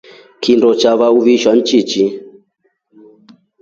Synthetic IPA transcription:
kʰindɔt͡ʃaβauβiʃan̩t͡ʃit͡ʃi

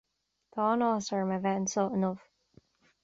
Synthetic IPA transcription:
tʰɔːnɔsə˞məvɛʔnsɔʔnɔv̥

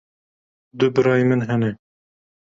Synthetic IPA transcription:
d̪ʊbɨɾɑːjmɨnɦɛnɛ

